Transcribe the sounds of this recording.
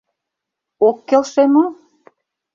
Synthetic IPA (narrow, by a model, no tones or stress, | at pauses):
okːelʃemo